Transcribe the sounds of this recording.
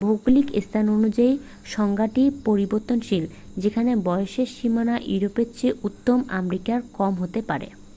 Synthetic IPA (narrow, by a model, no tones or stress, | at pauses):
bʱowɡulikest̪ʰanonud͡ʑai | ʃɔŋɡaʈipoɾiboɾt̪onʃil | d͡ʑekʰanebɔjoʃeʃimanaʔjuɾopetːt͡ɕeʔut̪ːoma̰mɾikaɾkɔmɦot̪epaɾḛ